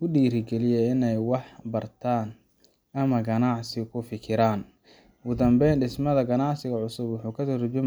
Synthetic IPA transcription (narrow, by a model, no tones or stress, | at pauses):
ʊɖiːɾɪɡɛlɪjɛɪnɛjwɑħbɐrt̪ʰaːn | ɐmɐɡɐnɑʕsɪkʰʊfɪkʰɪɾaːn | ɡʊd̪ɐmbɛjnɖɪsmɐðɐɡɐnɑʕsɪɣɐʕʊsʊbwʊħuːkʰɐt̪ɐrʊt͡ʃʊm